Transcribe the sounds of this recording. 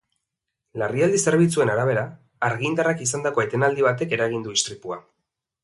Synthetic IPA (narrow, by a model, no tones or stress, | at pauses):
lariald̪ise̞ɾβ̞it͡sue̞naɾaβ̞e̞ɾaː | ɾɣind̪arakisand̪ako̞e̞t̪e̞nald̪iβat̪e̞ke̞ɾaɣ̞ind̪uist̪ɾipua